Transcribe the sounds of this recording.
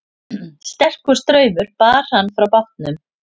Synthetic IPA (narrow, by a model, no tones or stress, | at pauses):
st̪ɛr̥kʏ̥st̪ɾœːɥmʏɾ̥paːɾ̥hanːfɾawpaht̪nʏm